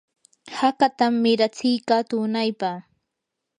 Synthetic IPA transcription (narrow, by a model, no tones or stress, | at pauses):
hakat̪amːɪɾat͡sɪjkat̪ʊnajpa